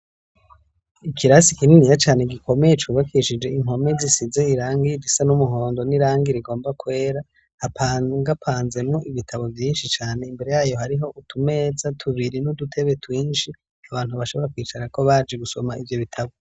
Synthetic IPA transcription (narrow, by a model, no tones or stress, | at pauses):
ikʰiɾasikininijat͡ʃaːne̞ɡikʰo̞me̞jet͡ʃuːβakiʃid͡ʒe̞iŋo̞mezisizeiɾaːŋɡid͡ʒisanumuɦo̞ːndo̞niɾaːŋɡiɾiɡo̞ːmbakwe̞ːɾa | hapʰaɡapʰaːnze̞mŋoʔiβitʰaβo̞vjiːnʃit͡ʃaːne̞imbe̞ɾe̞jaːjo̞ɦaɾiɦo̞ʔutʰume̞ːzatʰuβiɾinudutʰe̞βe̞twiːnʃi | aβaːn̥huβaʃo̞βo̞ɾakwiːt͡ʃaɾako̞βaːd͡ʒeɡuso̞maʔivjo̞βitʰaβo